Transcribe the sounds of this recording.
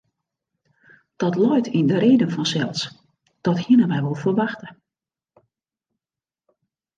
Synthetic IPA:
d̥ɔtlɔjtʰindəɾeːdənfɔnsɛlˠs | d̥ɔthiənənʋɛjʋɔlˠfərʋaxtə

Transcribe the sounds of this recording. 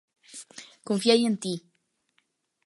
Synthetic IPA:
koɱfjajent̪i

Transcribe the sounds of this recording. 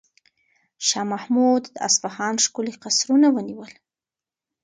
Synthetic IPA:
ʃɑmahmud̪d̪əa̰sfahɑnʂkuliqasɾunawəniwəl

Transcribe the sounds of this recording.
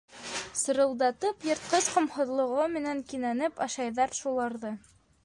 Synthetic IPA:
sɤ̆ɾɤ̆lˠd̪ɑt̪ɤpjɤ̆ɾt̪̚qɤzqŏmhŏðlˠŏʁomɘ̆næŋkinænɘpɑʃɑjðɑɾʃulˠɑɾðɤ

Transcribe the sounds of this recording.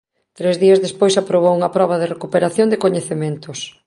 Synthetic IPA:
t̪ɾezðiɐzðespojsapɾoβ̞owuŋɐpɾɔβ̞ɐðɪrekupeɾaθjonŋd̪ɪkoɲeθemẽnt̪ʊs

